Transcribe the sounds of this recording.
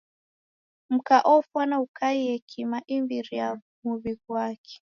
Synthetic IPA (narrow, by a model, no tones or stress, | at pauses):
m̩kaʔɔfwanaukaiɛkʰimaʔimbiɾia | muβiɡwakʰɛ̥